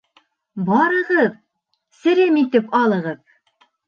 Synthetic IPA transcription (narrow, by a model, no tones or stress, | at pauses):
bɑɾɤ̆ʁɤð | sɘ̆ɾɘmit̪ɘpɑlˠɤ̆ʁɤð